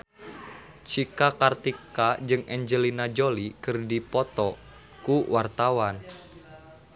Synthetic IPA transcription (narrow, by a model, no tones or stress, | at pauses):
t͡ʃikakart̪ikad͡ʒɨŋʔɛɲd͡ʒəlinad͡ʒolikɨrdipɔt̪ɔ | kuwart̪awan